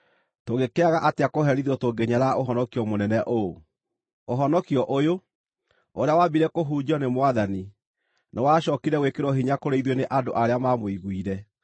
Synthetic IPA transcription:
toɣekeaɣaʔateakoɦɛɾiðɔtoɡeɲaɾaʔoɦɔnɔkiɔmonɛnɛʔo | oɦɔnɔkiɔʔojo | oɾeawabiɾɛkoɦuːd͡ʑɔnemwaðani | newaɕɔkiɾɛɣwekeɾwɔɦiɲakoɾeiðweneʔadoʔaɾeamamoiɣwiɾɛ

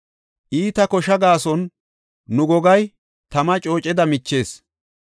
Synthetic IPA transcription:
ʔiːt̪ɐkɔʃɐɡaːsɔnː | ʊɡɔɡɐj | t̪ɐmɐt͡ʃʼo̞ːt͡ʃʼɛd̪ɐmɪt͡ʃːe̞ːs

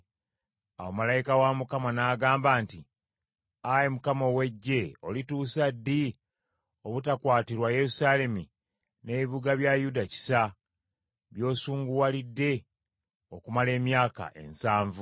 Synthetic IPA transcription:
awo̞malajikawamukamanaːɡaːmbaːnti | ajemukamo̞we̞ɟːe̞o̞̰lituːsadːi | oβutakwaːtiɾwaje̞ɾusaːle̞mi | ne̞βiβuɡaβjajudaci̥sa | βjo̞ːsuːŋɡuwalidːe̞ | okumale̞ːmjaːka̰ʔe̞̰nsaːɱvu

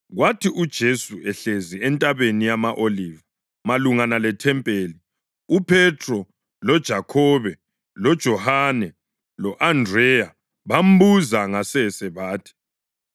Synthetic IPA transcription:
ɣwatʰiʔud̥ʒ̥ʱesuɛɬeziɛntʼaβenijamaʔoliːva | maluŋanalɛtʰɛmpʼeːli | upʰɛtʰʼrɔ | lɔd̥ʒ̥ʱakʰɔːβɛ | lɔd̥ʒ̥ʱɔhanɛ | lɔʔandrɛja | βam̩buzaŋasɛsɛβaːtʰɛ̥

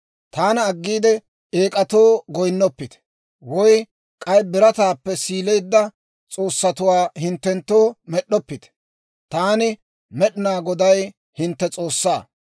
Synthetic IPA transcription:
t̪aːnɐːɡːiːd̪ɛ | eːkʼɐt̪o̞ːɡɔjnːɔpːɪt̪ɛ̥ | wɔj | kʼɐjbɪɾɐt̪aːpːɛsiːlɛjd̪ːɐ | t͡sʼo̞ːsːɐt̪ʊwaːhɪnt̪ːɛnt̪ːoːmɛɗːɔpːɪt̪ɛ̥ | t̪aːnɪ | mɛɗɪnaːɡɔd̪ɐj | hɪnt̪ːɛt͡sʼoːsːaː

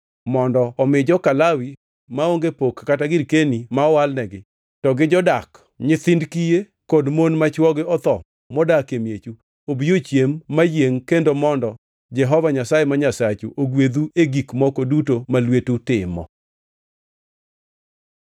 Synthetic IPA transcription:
mɔndɔːmɪd͡ʒɔkalawi | maoŋɡepokːataɡɪɾkenimaɔwalnɛɡɪ | tɔɡɪd͡ʒɔdak | ɲɪt̪ɪndkije | kodmonmat͡ʃwɔɡɪɔt̪ɔ | mɔdakemjet͡ʃu | obiot͡ʃjemːajeŋkendomɔndɔ | d͡ʒɛɦɔvaɲasajemaɲasat͡ʃuʔoɡwed̪ueɡikmɔkodutomalwetutɪmɔ̰

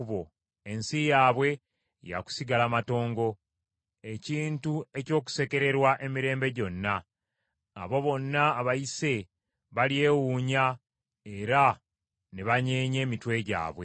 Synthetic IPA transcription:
uβo | e̞nsijaːβwe̞ | ja̰ku̥siɡalamato̞ːŋɡo̞ | e̞ciːntue̞co̞ːk̬u̥se̞ke̞ɾe̞ɾwaʔe̞miɾe̞ːmbe̞ɟo̞nːaː | βo̞βo̞nːaːβaise̞ | βalie̞ːwuːɲa | e̞ɾa | neβaɲeːɲe̞ːmitwe̞ɟa̰ːβwe

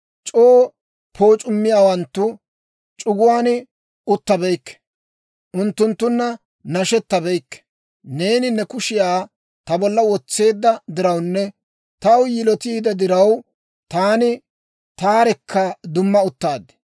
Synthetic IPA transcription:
t͡ʃʼoː | pʰo̞ːt͡ʃʼʊmːɪjaːwɐnt̪ːʊ | t͡ʃʼʊɡʊwaːnɪ | ʊt̪ːɐbɛjkːɛ̥ | ʔʊnt̪ːʊnt̪ːʊnːɐ | nɐʃɛt̪ːɐbɛjkːɛ̥ | ne̞ːnɪnɛkʊʃɪjaː | t̪ɐbɔlːɐwɔt͡sːe̞ːd̪ːɐd̪ɪɾɐwnːɛ | t̪ɐwjɪlɔt̪iːd̪ɐd̪ɪɾɐw | t̪aːnɪ | t̪aːɾɛkʰːɐd̪ʊmːɐʊt̪ːaːd̪ːɛ̥

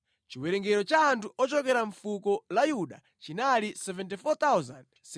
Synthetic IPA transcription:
t͡ʃiwɛɾɛŋɡɛɾɔt͡ʃaːntʰuɔt͡ʃɔkɛɾaɱfukɔlajuɗa̰ | t͡ʃinalisɛvɛntifɔt̪awzand | s

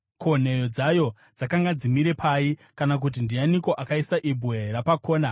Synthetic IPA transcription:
kʰo̞ne̞jo̞d͡zajo̞ | d͡zakaŋɡad͡zimiɾe̞pʰaikanak̬ut̬indianiko̞ʔakaisaʔibwerapakʰo̞ːna

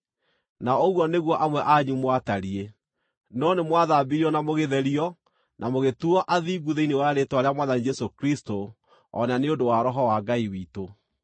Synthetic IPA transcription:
naoɣwɔneɣwɔʔamwɛʔaɲumwataɾie | nɔnemwaðabiɾiɔnamoɣeðɛɾiɔ | nʔamoɣetuɔʔaðiːɡuðeinewaɾetwaɾeamwaðanid͡ʒɛsokɾisto | ɔ̰naneodowaɾɔɦɔwaɡaiwiːto

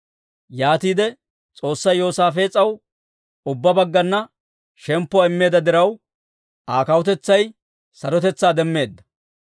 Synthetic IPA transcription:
jaːt̪iːd̪ɛ | t͡sʼo̞ːsːɐjo̞ːsaːfeːt͡sʼːɐw | ʊbːɐbɐɡːɐnːɐ | ʃɛmpːʊɔaːɪmːe̞ːd̪ɐd̪ɪɾɐw | ʔaːkɐwɔt̪ɛt͡sːɐj | sɐɾɔt̪ɛt͡sːaːd̪ɛmːe̞ːd̪ːɐ̥

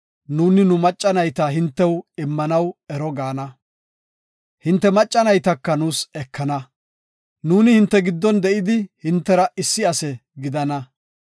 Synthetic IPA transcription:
nuːnɪnʊmɐt͡ʃʼːɐnɐjt̪ɐɦɪnt̪ːɛwɪmːɐnɐwɛɾɔɡaːnɐ | hɪnt̪ːɛmɐt͡ʃʼːɐnɐjt̪ɐkːɐnuːsɛkʰːɐnɐ | nuːnɪhɪnt̪ːɛɡɪd̪ːɔnd̪ɛʔɪd̪ɪhɪnt̪ːɛɾɐʔɪsːɪɐsɛɡɪd̪ɐnɐ

